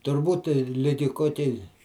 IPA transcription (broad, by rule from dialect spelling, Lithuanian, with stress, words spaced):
tʊrˈbuːt ˈlʲɪɡʲɪ ˈkoːkʲɛɪ